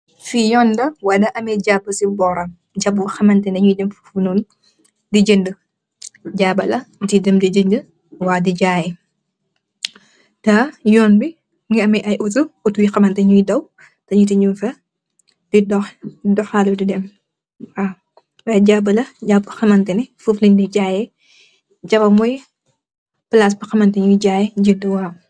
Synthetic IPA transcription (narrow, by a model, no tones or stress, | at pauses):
fijɔːndɐwɐdɐʔɐmɛɟabːəsibɔːɾɐm | ɟabːuxɐmɐntɛndɐɲujdɛmfɐfunun | diɟəndə | ɟaːbɐlɐdidɛmdiɟəndə | waːdiɟaːji | tajɔːnbi | ŋɐmɛʔɐjʔutuutujixɐmɐntɐɲujdɐw | tɐɲutiɲunfɐ | d̥idɔxdɔxaludidɛm | a | waɟabɐlɐɟabbɐxɐmɐntɛnifuflindiɟaːjɛ | d͡ʒɐbɐmɔj | plas̬bɐxɐmɐntɐɲujɟaːjɛɟiduwaː